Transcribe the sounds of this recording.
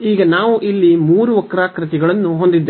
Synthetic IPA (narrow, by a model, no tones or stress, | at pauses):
iːɡɐnaːʋuʔilːimuːɾuʋɐkːɾaːkɾɐt̪iɡɐɭɐnːuɦo̞nd̪id̪ːe